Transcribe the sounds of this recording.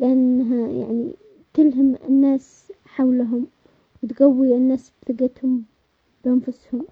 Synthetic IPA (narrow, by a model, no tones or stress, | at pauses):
lɪʔanːɦaja̰ʕnḭ | t̪ɪlɦamɪnːaːs | ħawlaɦʊm | wɪt̪ɡawːiʔɪnːaːsbθɪɡat̪hʊm | b̥ʔanfʊshʊm